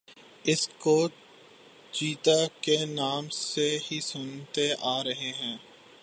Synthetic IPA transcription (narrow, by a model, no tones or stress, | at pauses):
ɪskoː | t͡ʃiːt̪akenaːmseɦisʊnt̪eʔaːɾɐɦeɦɛ̃ː